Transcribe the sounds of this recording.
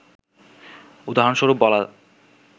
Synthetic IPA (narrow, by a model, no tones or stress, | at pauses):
ud̪aɦonʃoɾupbɔla